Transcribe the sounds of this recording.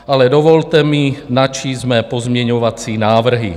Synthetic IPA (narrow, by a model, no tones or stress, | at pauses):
ʔalɛdovo̞lt̪ɛminat͡ʃiːmɛːpozmɲɛɲovat͡siːnaːvr̩ɦḭ